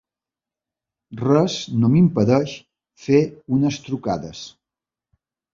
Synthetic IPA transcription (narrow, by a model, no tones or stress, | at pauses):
rɛznomimpəðɛʃ | feunəst̪ɾukaðəs